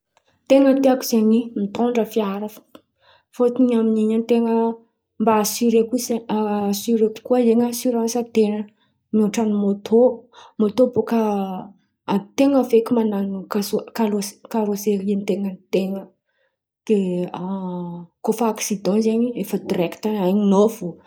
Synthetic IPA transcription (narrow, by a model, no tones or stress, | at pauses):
t̪eŋət̪eakuz̥eɲimit̪õɳɖ͡ʐəfiaɾafə̥ | fot̪iɲaminiɲant̪eŋə | mbaːsyɾekuzesyɾeku̥kuazeŋasyɾɑ̃nsət̪enə | mioʈ͡ʂanimot̪ʰomot̪oboka | t̪eŋəvekʲimananukasokaloskaɾoselent̪eŋənt̪eŋə | d̪̥ea | kofaksid̪ɑ̃zeɲiefəd̪rɛkt̪aaɲinovu